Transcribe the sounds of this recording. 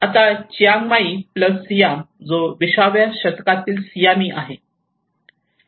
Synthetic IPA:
at̪at͡ɕijaŋɡmaipləsːijamd͡zoʋiɕaʋjaɕət̪kat̪iːlsijamiːʔa̰ɦe

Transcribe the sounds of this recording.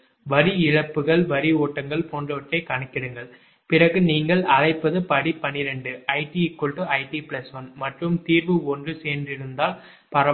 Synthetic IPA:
ʋɐɾiɪɻɐpːɯɣɐɭʋɐɾioːʈːɐŋɡɐɭpoːndrɐʋɐʈrɐɪkɐɳɐkːɪɾɯŋɡɐɭ | pɪrɐɣɯniːŋɡɐɭɐlɐɪpːɐðɯpɐɽipɐnɪɾɛɳɖɯɐɪʈiɪkːɔɭʈɯɐɪʈiplɐsʋɐnmɐʈrɯmt̪iːɾbɯɔndrɯseːndrɪɾɯnd̪aːl | pɐɾɐ

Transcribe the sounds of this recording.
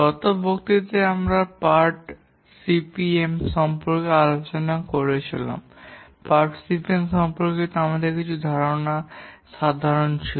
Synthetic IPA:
ɔt̪obʱokt̪it̪eamɾapaɾʈ | sipiemʃɔmpoɾkealot͡ɕonakoɾet͡ɕʰila̰m | paɾʈsipiemʃɔmpoɾket̪amad̪eɾkit͡ɕʰud̪ʱaɾonaʃad̪ʱaɾont͡ɕʰi

